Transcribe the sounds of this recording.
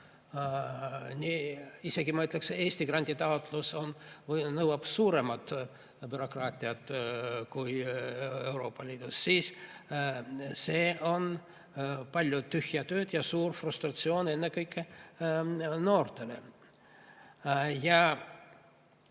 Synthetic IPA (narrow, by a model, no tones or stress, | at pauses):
nʲiiseɡimɤt̪lekseeːsʲt̪iɡ̥rɑnʲd̪ʲit̪ɑot̪lusonvnɤwɑpsuːɾemɑt̪ | b̥yɾo̞krɑːt̪ʲːˑiɑt̪kujewɾo̞ːpːɑlʲiːd̪̥usːiːs | seo̞n | pɑlʲjot̪yhjɑt̪øːt̪jɑsuːrfrust̪rɑt̪sioːne̞nːekɤjkːe | no̞ːrt̪elḛ | jɑ